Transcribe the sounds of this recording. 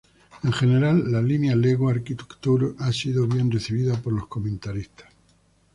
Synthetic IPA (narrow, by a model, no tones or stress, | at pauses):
e̞ŋxe̞ne̞ɾalːalinjaleɣwaɾkit̪e̥kt̪uɾoʔasiðoβje̞nreθiβiðapo̞ɾlo̞sko̞mẽnt̪aɾist̪ḁs